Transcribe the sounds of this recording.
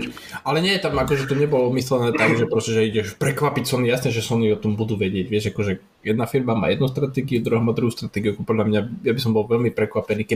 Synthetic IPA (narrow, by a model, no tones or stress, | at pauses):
alɛɲɪɛjɛt̪amakɔʒɛt̪ɔɲɛbɔlɔmislɛnɛːt̪aɡʒɛpɾɔscɛʒɛiɟɛʃpɾɛkʋapicsɔnijasnɛʒɛsɔniɔt̪ɔmbud̪uːʋɛɟɪɛɟʋɪɛʃakɔʒɛ | jɛd̪nafiɾbama̰ːjɛd̪nust̪ɾat̪ɛɡiud̪ɾuɦɔmad̪ɾuɦust̪ɾat̪ɛɡiukpɔd̪ʎamɲajabisɔmbɔlʋɛlmipɾɛkʋapɛniːkɛ